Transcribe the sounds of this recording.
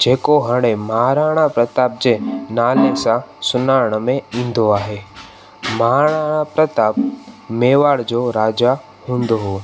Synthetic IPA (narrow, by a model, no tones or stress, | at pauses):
d͡ʒeːkoɦəɽeməɦaɾaːɽ̃ãpɾət̪aːp̚d͡ʒenaːlesãsʊnaːɾɳmẽĩnd̪oaːɦe | maɦaɽ̃aːɽ̃ãpɾət̪aːpmeːʋaːɽd͡ʒoɾaːd͡ʒa | hʊ̃nd̪oɦoː